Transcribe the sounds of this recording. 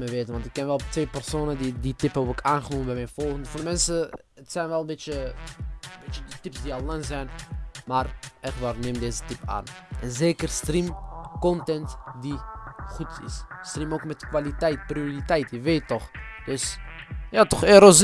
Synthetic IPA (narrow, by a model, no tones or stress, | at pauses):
mɛʋeːtənʋɑntɪkːɛnʋɛlˠtʋeːpɛrsoːnədiditɪpəokaːnχənuːməbɛjmɛjnfɔlˠχəndəfɔːrdəmɛnsə | ətsɛjnʋɛlˠbɪjə | bɪt͡ʃədətɪpsdialanzɛjnmaːrɛkʋarnemdeːzətɪpa̰ːnʔɛnzeːkərstrimkɔntɛntdiχutɪ̰sstrimoːkmɛtkʋalitɛjtprioritɛjtəʋeːtːɔχd̥øsjatɔχeːɾoz